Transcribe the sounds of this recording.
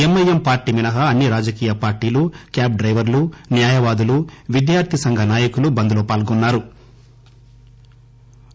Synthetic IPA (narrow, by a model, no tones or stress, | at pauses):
emːɐjempaːɾʈiminɐɦɐɐnːiɾaːd͡ʒɐkiːjɐpaːɾʈiːlukjaːp̚ɖɾɐjʋɐɾlunjaːjɐʋaːd̪uluʋid̪jaːɾt̪ʰisɐŋɡʱɐnaːjɐkulubɐnd̪uloːpaːlɡɔnːaːɾu